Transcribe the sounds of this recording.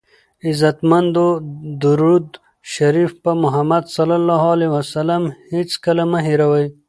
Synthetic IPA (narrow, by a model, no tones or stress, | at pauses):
ɪzat̪mand̪od̪uɾud̪ | ʃaɾifpamʊɦamad̪sɐlalːɑɦalewasalamhet͡skalamaɦiɾawəj